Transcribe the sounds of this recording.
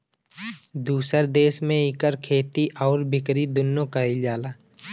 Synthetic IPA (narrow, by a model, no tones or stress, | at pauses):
d̪uːsəɾd̪eːʃmẽɪkəɾkʰeːt̪iʔɔːɾbɪkɾid̪ʊnːokaid͡ʒaːlaː